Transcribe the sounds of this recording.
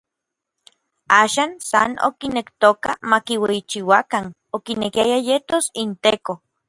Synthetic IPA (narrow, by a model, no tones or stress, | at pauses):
aːʃansa̰no̰kinekt̪oka̰makiweit͡ʃiwakan | okinekiajajet̪osint̪eko